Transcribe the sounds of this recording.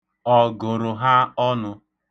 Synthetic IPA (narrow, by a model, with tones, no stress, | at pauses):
ɔ˨ɡʊ˨ɾʊ˨ɦa˦ɔ˦nʊ˦